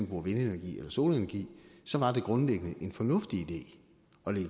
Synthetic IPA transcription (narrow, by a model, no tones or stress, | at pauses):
nb̥ʁuɐʋe̝nenæɐɡ̥ḭːelɐso̝ːlenɐɡ̥ḭːsɒ̽ʋɑ̈d̥e̝ɡ̥ʁɔ̽nleɡ̥ənəʔe̝nfɒ̽nɔ̽fd̥iid̥e̝̰ː | ɒ̽leɡ